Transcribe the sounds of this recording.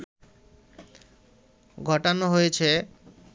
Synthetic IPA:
ɡʱɔʈanoɦojet͡ɕʰe

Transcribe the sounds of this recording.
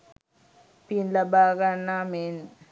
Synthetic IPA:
pinlabaːɡanːamen

